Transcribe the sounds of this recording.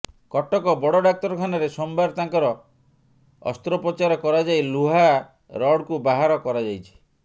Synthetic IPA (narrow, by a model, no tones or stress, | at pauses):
kɔʈɔkɔbɔɽɔɖak̚t̪ɔɾɔkʰanɔɾesɔmbaɾt̪aŋkɔɾɔ | ɔ̰st̪ɾɔpɾɔt͡ʃaɾɔkɔɾad͡ʒajluɦa | ɾɔɽkubaɦaɾɔkɔɾad͡ʒajt͡ʃʰi̥